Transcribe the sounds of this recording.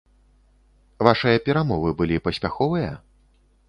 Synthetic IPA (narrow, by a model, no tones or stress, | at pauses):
vaʂɨjɐpʲɛɾamɔvɨbɨlʲipɐsʲpʲaxɔvɨjɐ